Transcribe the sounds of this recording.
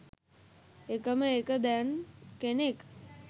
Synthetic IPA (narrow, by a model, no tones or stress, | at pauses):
ekəməekəd̪ɛnkenek